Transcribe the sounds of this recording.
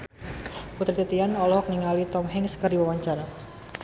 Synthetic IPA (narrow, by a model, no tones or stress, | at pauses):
put̪ɾit̪it̪ianɔlɔɔk̚niŋalit̪ɔmɦɪŋskərdiwawaɲt͡ʃaɾa